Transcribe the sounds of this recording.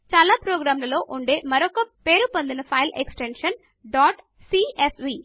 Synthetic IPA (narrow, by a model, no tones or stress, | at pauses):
t͡ʃaːlaːpɾoːɡɾaːmlɐlo̞ːʔuɳɖe̞ːmɐɾokɐpe̞ːɾupond̪inɐpʰɐjlʔḛksʈenʂɐn | ɖaːʈ | siːesʋiː